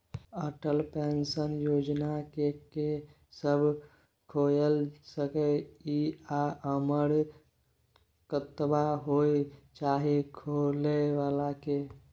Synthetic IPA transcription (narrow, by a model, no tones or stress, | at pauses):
əʈəlpensənjod͡ʒnakeke | səbʱ | kʰojəlsəkəiaəməɽ | kət̪baɦoet͡ʃaɦikʰoleʋalake